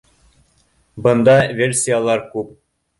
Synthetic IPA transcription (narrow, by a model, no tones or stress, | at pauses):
bɤ̆nd̪ɑvʲelʲsʲijalˠɑɾkʉp̚